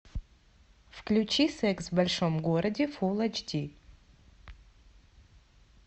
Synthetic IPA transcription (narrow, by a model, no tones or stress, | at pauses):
fklʲut͡ɕisɛksvbɐlʲʂomɡoɾɐdʲɪfulˠɐt͡ʃdʲi